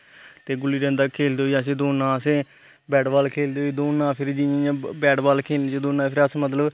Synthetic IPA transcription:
t̪eːɡʊlːiːɾɛ̃ːnd̪aːkʰeːld̪eːoəs̬ẽːd̪oːnãːəsẽː | bɛːɖbaːlkʰeːld̪eːɦoiːd̪oːnãːpʰɪɾd͡ʒiːĩːjãːbɛːɖbaːlkʰeːld͡ʒeːd̪oːnãːpʰɪɾəsmət̪ləb

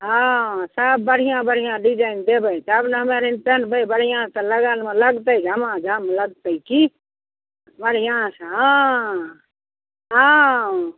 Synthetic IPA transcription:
ɦãsəbːəɽ̤ijãbəɽ̤ijãɖid͡ʒaind̪ebəjt̪əbneɦəmeɾinpənbəibəɽ̤ijãt̪ələɡəlmeləɡt̪əid͡ʒʱəmãd͡ʒʱəmləɡ̚t̪əjki | bəɽ̤ijãsəɦã | ɦə̃

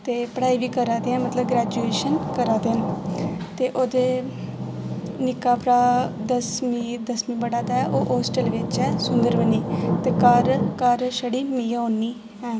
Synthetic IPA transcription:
t̪eːpəɽaːiːʋiːkəɾaːd̪eːɛ̃ːmət̪ləbɡɾɛːd͡ʒueːʃənkəɾaːd̪eːã | t̪eːʔoːd̪eː | nɪkaːpɾaːd̪əsmiːd̪əsmĩːbəɽaːd̪aːɛʔoːʔoːsʈəlʋɪt͡ʃɛːsʊnd̪əɾbəniːt̪eːkəɾkəɾʃəɽiːmiːaoːniː | ɛ̃ː

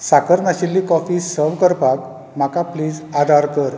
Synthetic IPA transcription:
sakəɾnaɕilːiːkɔfiːsəɾʋkəɾpak̚ | m̤akapliːd͡zad̪ʱaɾkəɾ

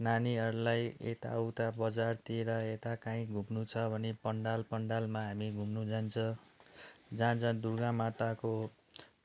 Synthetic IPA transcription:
naniɦʌɾulajḛt̪a̰ʌwt̪abʌd͡zart̪ieɾʌet̪akaĩɡʱumnut͡sʰʌbʱʌnepʌɳɖalpʌɳɖalmaɦamiɡʱumnud͡zant͡sʰʌ̃ | d͡zãd͡zʰʌ̃d̪urɡãmat̪ako

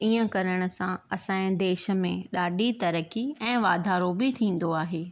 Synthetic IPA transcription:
iːə̃kɐɾəɽ̃ʊ̆sãɐsãːɪ̃d̪eːʃə̆mẽɗaːɖʱit̪ɐɾəkiɛ̃ːʋaːd̪ʱaːɾobɪt̪ʰĩːn̆d̪oaːɦeː

